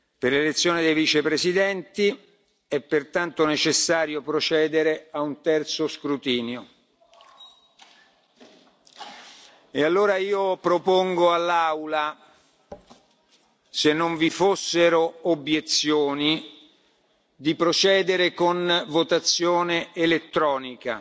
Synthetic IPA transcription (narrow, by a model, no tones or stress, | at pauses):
perlelet̪sːjoːned̪ejvit͡ʃepɾesid̪ɛnt̪i | ɛpːert̪ant̪onet͡ʃesːaːɾjopɾot͡ʃɛːd̪eɾeaunt̪ɛrt̪soskɾut̪iːnjo | ealːoːɾaiːopɾopoŋɡoalːawla | senːoɱvifosːeɾoobjet̪sjoːni | d̪ipɾot͡ʃɛːd̪eɾekonvot̪at̪sːjoːneːlet̪ːɾɔːnika̰